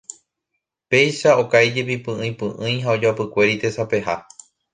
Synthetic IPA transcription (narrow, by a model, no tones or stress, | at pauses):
pe̞jʃao̞kajd͡ʒep̬ipɨ̃ɨ̃j̃pɨ̃ʔɨ̃j̃ɦaod͡ʒapɨkʷe̞ɾit̪e̞sape̞ɦa